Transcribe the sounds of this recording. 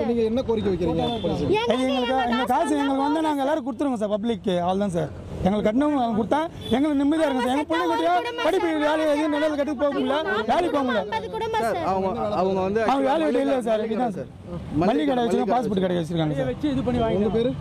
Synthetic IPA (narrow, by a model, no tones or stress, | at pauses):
niːŋɡɐɛnːɐkoɾɪk̬ʲːɐʋɛkːɪɾiːŋɡɐeɡɐɛŋɡɐɭɯkːaɛnd̪ɐkaːls̬ɐ̃ɛŋɡɐɭɯkːɐʋɐnd̪anaːŋɡɐɛlːaːɾɯk̬ʊɽɯt̪ːɯɾɯŋɡɐs̬aːɾpɐblɪkːɯɐʋɐlt̪ãːs̬aːɾ | ɛŋɡɐɭɯkːɐʈnɐaːlkʊɽɯt̪ːãː | ɛŋɡɐɭɯkːɯnɪmːɪðaːɪɾɯŋɡɐs̬aːɾɛŋɡɐpʊlːɐkɐʈːɪjaːpɐɽɪpːɐʋeːlɪɛðɯjɐnnɐɾɐɐlkɐʈːɪkːpoːkɯmɪlːɐʋeːlipoːŋɡɐɭːɐsaɾɐɐŋɡɐɐʋɐŋɡɐʋɐnd̪ɐʋɐŋɡɐʋeːlɪʋɪʈːɯɪlːɐs̬aːɾɛpɽit̪ãːsaːɾ | mmɐɭːikɐɽɐjɐʋɐt͡ɕːt͡ʃɪɾɯŋɡɐpaːs̬puːʈːɯkɐɽɐɐʋɐt͡ʃːɪɾɯkːaːŋɡɐsaːt͡ʃːɯɪðɯpɐɳːiʋaːɡŋɡɐpeːɾɯ